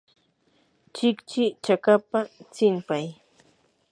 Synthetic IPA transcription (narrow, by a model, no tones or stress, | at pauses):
t͡ʃɪkt͡ʃɪt͡ʃakapat͡sɪmpaj